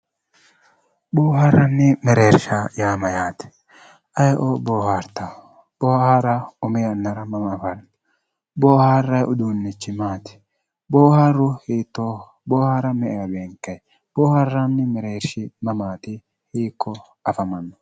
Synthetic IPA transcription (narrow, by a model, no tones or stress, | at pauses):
boːɦaɾɐnːɪmɛɾe̞ːɾʃɐjaːmɐjaːt̪ɪ̥ | ʔɐjʔoboːhaɾt̪ɐ | b̥oːhaːɾɐʊmɪjɐnːɐɾɐmɐmɐːfɐn | boːhaːrːɐjʔʊd̪uːnːɪt͡ʃːɪmaːt̪ɪ̥ | boːhaɾːʊhiːt̪ːo | boːhaɾɐmɛʔɛjɐbeːŋkːɛ | b̥oːhɐrːɐnːɪmɛɾeːɾʃɪmɐmaːt̪ɪ | hiːkʰːɔ | ɐfɐmɐnːɔ̥